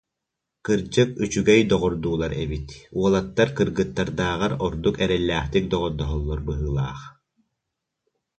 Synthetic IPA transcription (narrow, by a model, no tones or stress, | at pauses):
kɯɾd͡ʑɯkyt͡ʃyɡɛjd̪ɔʁɔɾd̪uːlˠaɾɛbit̪uɔlˠat̪ːaɾkɯɾɡɯt̪ːaɾd̪aːʁaɾɔɾd̪ukɛɾɛlːæːχt̪ik̚d̪ɔʁɔɾd̪ɔɦɔlˠːɔɾbɯɦɯːlˠaːχ